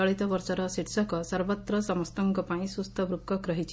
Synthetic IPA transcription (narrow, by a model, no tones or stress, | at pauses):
ɔɭit̪ɔbɔɾsɔɾɔsiʈsɔkɔsɐɾbɔt̪ɾɔsɐmɔst̪ɔŋkɔpaĩsust̪ʰɔbɾukːɔkɾɔɦit͡ʃʰ